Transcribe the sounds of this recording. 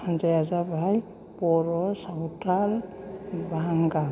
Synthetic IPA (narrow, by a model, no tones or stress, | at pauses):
zejazabʱaj | pɔɾɔsawtal | bʱaŋɡa